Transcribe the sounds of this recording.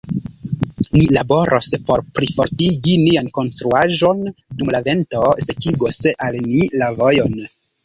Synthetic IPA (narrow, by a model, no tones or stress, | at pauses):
nilabo̞ɾʔospo̞ɾpɾifo̞ɾtiɡinianko̞nstɾuaʒo̞ndumlave̞nto̞se̞kiɡosalnilavojon